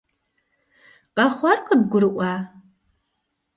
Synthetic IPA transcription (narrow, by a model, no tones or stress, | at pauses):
qʼɑχʷɑrqəb̚ɡʷʊɾɨʔʷɑ